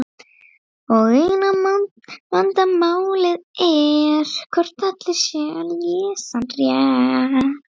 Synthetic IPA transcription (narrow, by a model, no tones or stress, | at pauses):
ɔɣejna | mant̪amaːwlɪðɛɾ̥kʰɔr̥t̪at̪lɪsjɛljɛːsanrjɛ